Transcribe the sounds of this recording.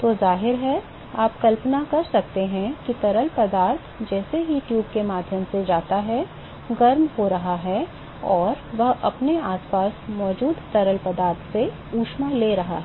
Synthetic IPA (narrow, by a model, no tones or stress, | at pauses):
t̪oːzaːɦɪɾɦɛ | aːpkɐlpnakɐɾsɐk̚t̪eɦɛ̃kit̪ɐɾəlpɐd̪aːɾt̪ʰd͡ʒɛːsejuːʈjuːbkemaːd̪ʱjəmsed͡ʒaːt̪aɦɛ | ɡɐɾmhoɾɐɦaɦɛ | ɔːɾʋɐɦɐpneaːspaːsmɔːd͡ʒuːd̪t̪ɐɾəlpɐd̪aːɾt̪ʰse | uːʃmãleːɾɐɦa̰ɦɛː